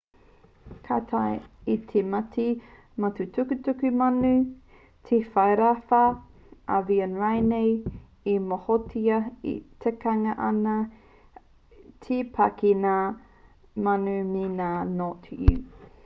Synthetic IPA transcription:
kʰatʰajitʰemɐtʰi | mɐtutukʉtukʉmɐnʉ | tʰefɐjɾafɐ | ʔɐ̰viənɹajnej | imohotʰiɐḭtʰekɐŋɐʔɐnɐ | tʰipʰɐkina | mɐnuminaːnotʰjṵ

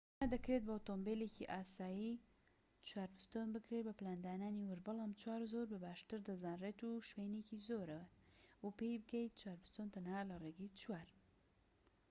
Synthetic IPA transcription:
mad̪ɐkɾet̪̚bot̪ombelekiʔaːsaːji | t͡ʃwaːɾbɨst̪onbɨkɾet̪bɐplaːnd̪aːnaːniwʊɾbɨlamt͡ʃwaːɾzoɾbɨbaːʃt̪ɨɾd̪ɐzaːnreːt̪uʃwenekizoɾɐwɐwupejbɨɡɛjt̪̚t͡ʃwaːɾpɨst̪ont̪ɐnhaːlɐreɡit͡ʃwaːɾ

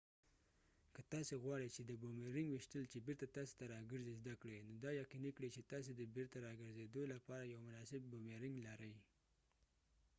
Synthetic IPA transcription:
kət̪ɑseɣwɑɽejt͡ʃed̪əbomeɾɪŋɡwɪʃt̪əlt͡ʃebeɾt̪at̪ɑse̥t̪aɾɑɡəɾzezd̪akɽenod̪ɑjaqinikɽet͡ʃet̪ɑs̬ed̪əbeɾt̪aɾɑɡəɾzed̪olapɑɾajawmʊnɑsɪb̚ːomeɾɪŋɡlaɾəj

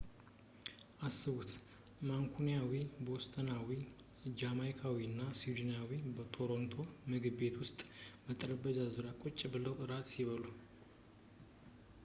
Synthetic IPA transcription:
ʔasːɨβut̪ | maŋkʰunijawibost̪ʰʼənawi | d͡ʒamajkʰawiɨnːasid̪injawibət̪ʰo̞ɾo̞nt̪ʰo̞mɨɡɨbe̞t̪wʊst̪ʼbət̪ʼəɾəbəzazuɾakʼot͡ʃʼːbɨləwʔɨɾat̪siβəlu

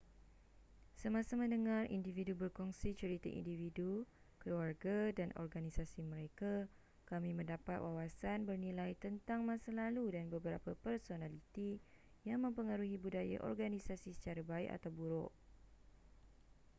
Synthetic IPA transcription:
səmãsamə̃ndəŋãrḭndividubərkɔŋsit͡ʃəɾit̪a̰ʔḭndividu | kəluarɡadanʔɔ̰rɡanisasimə̃ɾeka | kamĩmə̃ndapat̪̚wawasanbərnĩlajt̪ənt̪aŋmãsalaludanbəbəɾa̰papərsonãlit̪i | jaŋmə̃mpəŋaɾuɦibudaja̰ʔɔ̰rɡanisasisə̥t͡ʃaɾabaɪ̰ka̰t̪awbuɾʊ̰ʔ

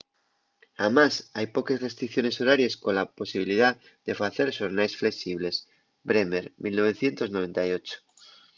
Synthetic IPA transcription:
amasajpo̞kesrest̪ɾikθjone̞soɾaɾjesko̞nlapo̞siβ̞iliðað | ð̥efaθe̞ɾʃoɾnajsfle̞ksiβ̞le̞s | bɾemeɾmilno̞β̞e̞θje̞nt̪o̞znoe̞nt̪ajo̞t͡ʃo̥

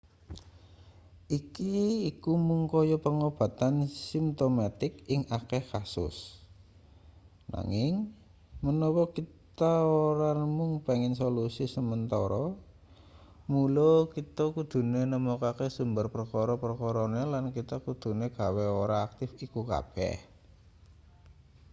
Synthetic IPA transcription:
ʔikiːkumuŋkɔjɔpəŋob̥ä̤t̪ansimt̪omat̪ɪkɪŋakehkasʊ̰s | na̰ŋɪŋ | mənɔwɔkit̪aoɾanəmʊŋpeŋɪnsolusisəmənt̪ɔɾɔ | mulokit̪ɔkud̪̥ṳnenəmokakesumbərpərkɔɾɔpərkɔɾɔnelankit̪akud̪̥ṳneɡ̥a̤weoɾaːk̚t̪ɪfikuka̰b̥ɛ̰h

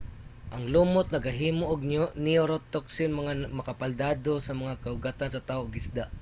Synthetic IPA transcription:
ʔɐŋluːmʊt̪̚nɐɡɐɦiːmoʔoɡ̚nioɾot̪ːoksɪnmɐŋamɐkɐpɐld̪aːd̪osɐmɐŋakɐʊɡat̪ansɐt̪aːoʔɡɪsd̪aʔ

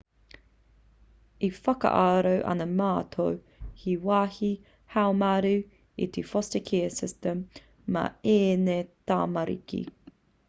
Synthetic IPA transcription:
ifɐkɐ̰ʔaːɾowʔɐ̰nɐmaːt̪ʰow | hiwɑːhi | hawmaɾʉ | ḭt̪ʰefɔstəkʰɛəsɪstəmː | ɐ̰eːnet̪aːmɐɾḭkḭ

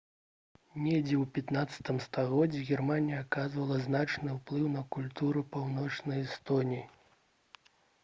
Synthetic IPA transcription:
nʲɛd͡zʲɛwpʲat̪nat̪sɐ̥t̪ɨmst̪aɣɔd͡zʲːiɣʲɛrmanʲijɐakazvɐlˠɐznat͡ʂnɨwplˠɨwnɐkulʲt̪uɾɨpawnɔt͡ʂnɐjɛst̪ɔnʲiji

